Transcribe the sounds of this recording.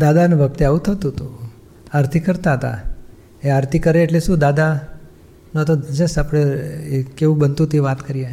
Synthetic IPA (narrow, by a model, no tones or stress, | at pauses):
d̪ad̪anũʋʱək̚t̪eaʋũt̪ʰət̪ũt̪u | aɾt̪ʰikəɾt̪aɦət̪a̰ | eaɾt̪ʰikəɾeːʈleʃũd̪ad̪a | nt̪od͡ʒəsapɽ̃ekeʋũbənt̪ũt̪iʋat̪kəɾija